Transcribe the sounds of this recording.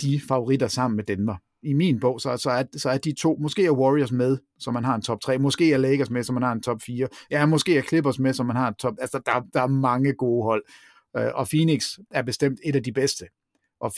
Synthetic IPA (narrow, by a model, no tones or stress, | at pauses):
d̥ifɑ̈o̝ʁid̥ɐsɑ̈m̰n̩med̥enʋɑ | iminb̥ɔ̽ʊ̰sɒsɒ̽æɐsɒ̽æɐd̥it͡sʰo̝̰ːmɔ̽sɡ̥e̝̰ːɐwɒʁiɐs̬með̞ˠ | sɒ̽mːænɦɑ̈e̝nt͡sʰɒ̽b̥̚t͡sʰʁɛ̰ːmɒ̽sɡ̥e̝̰ːjɑleɡ̥ɐsmesɒ̽mːænhɑ̈e̝nt͡sʰɒ̽b̥fiːɐjæmɒ̽sɡ̥e̝̰ːjɑkʰle̝b̥ɐsmesɒ̽mːænhɑ̈edt͡sʰɒ̽b̥ælsɐd̥ɑ̈æɐd̥ɑ̈æɐmɑ̈ŋəɡ̥o̝ːɦɒ̽l̰ | ʔɒ̽fiːneɡ̥sæɐb̥e̝sd̥em̰d̥e̝ɾæd̥ib̥esd̥ə | ʔɒ̽